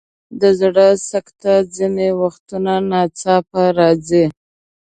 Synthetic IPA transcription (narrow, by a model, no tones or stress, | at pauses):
d̪əzɽəsakt̪ad͡zinewaxt̪unanɑt͡sɑpaɾɑd͡zi